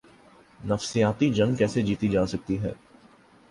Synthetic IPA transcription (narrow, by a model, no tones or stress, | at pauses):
nɐfsijaːt̪id͡ʒɐ̃ŋɡkɛːsed͡ʒiːt̪id͡ʒaːsɐk̚t̪iɦɛ̰ː